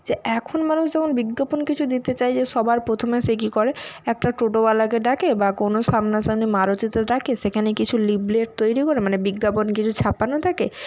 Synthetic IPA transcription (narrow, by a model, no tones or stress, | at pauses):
d͡ʑeɛkʰonmanuʃd͡ʑɛmonbiɡːoponkit͡ɕʰud̪it̪et͡ɕajd͡ʑeʃɔbʱaɾpɾot̪ʰomeʃek̬ikɔɾeɛk̚ʈaʈoʈoalakeɖakebakonoʃamnaʃamnimaɾot͡ɕit̪eɖakeʃekʰanekit͡ɕʰulibleʈ̚t̪ojɾikoɾemanebiɡːaponkit͡ɕʰut͡ɕʰapanot̪ʰake